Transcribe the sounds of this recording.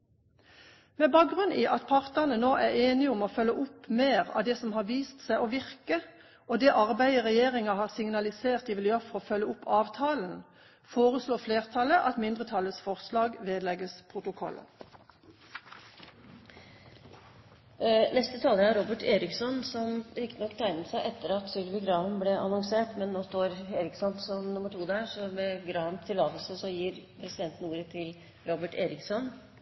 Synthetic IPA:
mɛːbɑːk̚ɡʁʉnʔiːʔɑt̪̚pʰɑʁt̪əʁnənoːʔæːʁeːnɪʊmoːfœlːəʔʊpmeːʁɑ̰ːʋd̪ɛːsɔmhɑːʁʋiːst̪sæɪʔoːʋɪʁkə | ʔoːd̪ɛːʔɑʁbæɪəʁɛjeːʁɪŋɑhɑːʁsɪŋnɑlɪseːʁt̪ɪʋɪljøʁfɔʁoːfœlːəʊpʰːɑːʋt̪ʰɑːln̩ | foːʁəsloːfleːʁt̪ʰɑləʔɑt̪mɪnd̪ʁət̪ʰɑləsfɔʁslɑːɡʋeːd̪lɛɡəspʰʁʊt̪ʊkʰɔ̰lə̰ | nɛst̪ət̪ʰɑːləæɾɾobəʈeːɾɪksɔnsɔmɾɪkt̪ənɔkːt̪ʰæɪnəsæɪʔɛt̪ːəɾɑt̪sœlbɪɡɾɑːʋənblɛʔɑnɔŋseːʈmɛnːoːst̪oːɾeːɾɪksɔnsɔmnʊmːəʈʰuːd̪æːʂɔmɛɡɾɑːʋənt̪ʰɪlːɑːt̪əlsəsɔjiːɾpʰɾɛsɪd̪ɛnt̪n̩uːɾət̪ʰɪl | ɾobəʈeːɾɪksɔn

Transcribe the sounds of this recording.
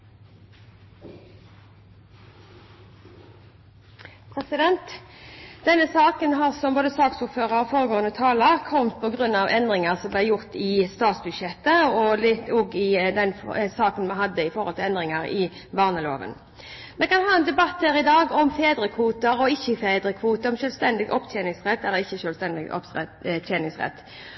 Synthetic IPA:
pʰʁɛsɪd̪ɛnt̪ | d̪̥ɛnəsɑːkənɦɑːʁsɔmboːd̪əsɑːksʊʁføːʁəɾfoːʁəɡoːənət̪ʰɑːləʁkʰɔmt̪̚pʰɔɡʁʉnɑʋʔɛnd̪ʁɪŋəʁsɔmblæjʊʁt̪ɪst̪ɑːt̪sbʉd̪ʃjɛt̪ːəɔlɪt̪ːoːɡɪd̪ɛnfsɑːkənmɑnɦɑd̪ːəɪfɔʁhɔlt̪ɪlɛnd̪ʁɪŋɑɾɪ | bɑːʁnəloːʋə̰n | mɛkɑnɦhɑːɛnd̪ɛbɑt̪ːhæːɾɪd̪ɑːɡɔmfeːd̪ɾəkʰʋuːt̪əɾɔɪçːəfeːd̪ɾəkʰʋuːt̪əɾɔmʃœːlʋst̪ɛnd̪ɪɡʔɔpt̪ʰjeːnɪŋsʁɛt̪ːɛlɪçːəʃœːlst̪ɛnd̪ɪɡɔ̰pt̪ʰjeːnɪŋsʁɛ̰t̪ː

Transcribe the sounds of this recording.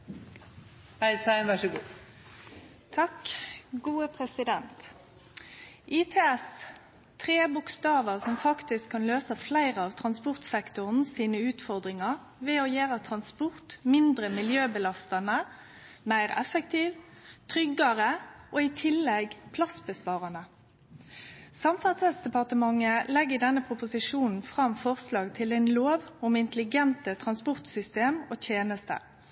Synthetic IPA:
hæɪsæɪʋæʂəɡṵː | t̪ʰɑkɡuːəpʰʁɛsɪd̪ɛnt̪ | ʔit̪ʰeːɛs | t̪ʰʁeːbʊkst̪ɑːʋəʁsɔmfɑkt̪ɪskʰːɑnløːsəflæɪʁəɑːʋt̪ʰɾɑnspɔʁt̪sɛkt̪ʊʁnsiːnəʉːt̪fɔʁd̪ʁɪŋɑʁ | ʋɛojæːʁət̪ʰʁɑnspɔʁt̪mɪnd̪ʁəmɪljøːbəlɑst̪ɑnə | mæɪʁɛ̰fək̚t̪ʰiːʋt̪ʰʁʏɡɑʁəʔoːɪt̪ʰɪlːɛɡpʰlɑsbəspɑːʁɑnə | sɑmfɑt̪sɛlsd̪ɛpɑʁt̪əmɑŋːəlɛɡːɪd̪ɛnːəpʰʁʊpʊsɪʂuːnn̩fʁɑmfɔʁslɑːɡt̪ʰɪlɛɪnloːʋʊmɪnt̪əlɪɡɛnt̪ət̪ʰʁɑnspʊʁt̪sʏst̪eːmoːt̪ʰeːnəst̪ə̰

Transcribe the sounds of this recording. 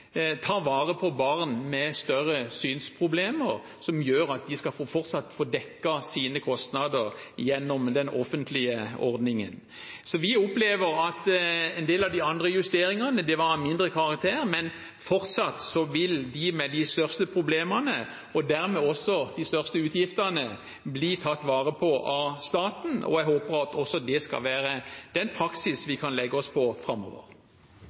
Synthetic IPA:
t̪ʰɑːʋɑːʁəpʰɔbɑʁnmɛst̪œɾəsyːnspʰʁʊbleːməɾ | sɔmjøːɾɑt̪̚d̪ɪskɑofɔʁt̪sɑt̪ːfoːd̪ɛkːɑsiːnəkʰɔst̪nɑd̪əʁjɛnːɔmd̪ɛnɔ̰fənt̪ʰlɪəɔ̰ɾd̪nɪŋə̰n | sɔʋɪɔpleːʋəɾɑt̪ɛnd̪eːlɑʋd̪ɪɑnd̪ɾəjʉst̪eːɾɪŋɑnəd̪ɛʋɑmɪnd̪ɾəkʰɑʁɑk̚t̪ʰeːɾmɛn | fɔʁt̪sɑt̪sɔʋɪld̪ɪmɛd̪ɪst̪œʁst̪əpʰʁʊbleːmənə | ɔd̪æʁmɛɔsːɔd̪ɪst̪œʁst̪əʉːt̪jɪft̪ənə | bliːt̪ʰɑt̪ːʋɑːʁəpʰɔʔɑst̪ɑːt̪n̩ɔ̰æɪɦoːpəɾɑt̪ʰɔsɔd̪ɛskɑ̰lʋæːɾəd̪̥ɛnpʰʁɑksɪsʋɪkʰɑnlɛɡːəɔspʰɔfʁɑmːɔ̰ːʋə̰ʁ

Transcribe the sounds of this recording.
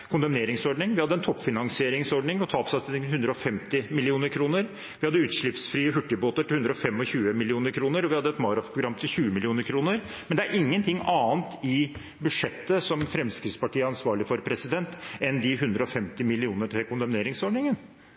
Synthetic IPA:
kʰʊnd̪ɑmneːɾɪŋsɔɖɳɪŋʋɪhɑd̪ːəɛnt̪ʰɔpːfɪnɑŋsɪeːɾɪŋsɔɖɳɪŋɔt̪ʰɑːpsɑsɪŋhʉnd̪ɾəɔfɛmt̪ɪmɪlɪuːnəɾkʰɾuːnəɾ | ʋɪhɑd̪ːəʉːt̪ʂɭɪpsfɾiːəɦʉʈːəboːt̪əʈ̪ɪlhʉnd̪ɾəɔfɛmːɔçʉːəmɪlɪuːnəɾkʰɾuːnəɾɔʋɪhɑd̪ːəɛt̪mɑːɾɑfpʰɾʊɡɾɑmːt̪ʰɪlçʉːəmɪlɪuːnəɾkʰɾuːnəɾ | mɛnd̪ɛæɾʔɪŋːənt̪ʰɪŋːɑːnt̪ɪ | bʉd̪ʂɛt̪ːəsɔmfɾɛmskɾɪt̪spɑʈiːəɑnsʋɑːɭɪfɔɾpʰɾɛsɪd̪ɛnt̪ɛnd̪ɪɦʉnd̪ɾəɔfɛmt̪ɪmɪlɪuːnəʈʰɪkʰʊnd̪ɑmneːɾɪŋsɔɖɳɪŋən

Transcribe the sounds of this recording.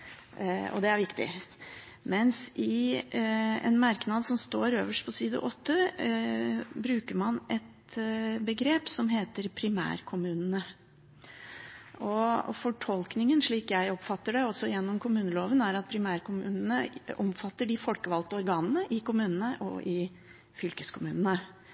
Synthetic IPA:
ɔ̰d̪ɛæɾʋɪkt̪ɪ̰ | mɛnsɪ | ɛ̰nmɑɾknɑd̪sɔmst̪oːɾøːʋəʂʈ̚pʰɔsiːd̪ə̰ʔɔt̪ːə | bɾʉːkəɾmɑnʔɛt̪ | bəɡɾeːpsɔmɦeːt̪əɾpʰɾɪmæ̰ːɾkʰʊmʉːnənə | ʔɔfɔʈʰɔlknɪŋənʂɭiːkjæɪɔpfɑt̪ːəɖɛɔsɔjɛnːɔmkʰʊmʉːnəloːʋənæɾɑt̪̚pʰɾɪmæːɾkʰʊmʉ̰ːnənəɔmfɑt̪ːəɖɪfɔlkəʋɑlt̪əɔɾɡɑːnənəʔɪkʊmʉːnənəʔɔ̰ʔɪ | fʏlkəskʰʊmʉ̰ːnənə

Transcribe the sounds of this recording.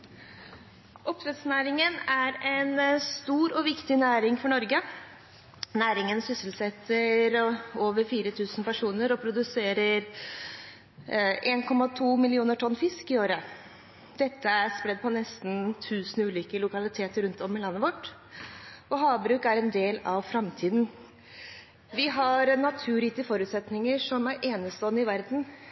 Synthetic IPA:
ʔɔpʋɛt̪snæːɾɪŋənæɾɛnst̪uːɾɔʋɪkt̪ɪnæːɾɪŋfɔɳɔɾɡə | næːɾɪŋənsʏsəl̩sɛt̪ʰːəɾoːʋəɾfiːɾət̪ʰʉːsnpʰæʂuːnəɾɔpʰɾʊd̪ʉseːɾəɾ | ʔeːnkʰɔmɑt̪ʰuːmɪlɪuːnəʈʰɔnːfɪskɪoːɾə | d̪̥ɛt̪ːəæɾspɾɛd̪ːpʰɔnɛst̪n̩t̪ʰʉːsnʉːliːkəlʊkɑlɪt̪ʰeːt̪əɾʉnt̪ɔmɪlɑnːəʋɔʈː | ɔɦɑːbɾʉːkæɾɛnd̪eːlɑʋfɾɑmt̪ʰiːd̪n̩ | ʋɪɦɑɾnɑt̪ʰʉːɾiːt̪əfɔɾʉːt̪sɛt̪nɪŋəʂɔmæɾʔeːnəst̪ɔːnɪʋæɾd̪n̩

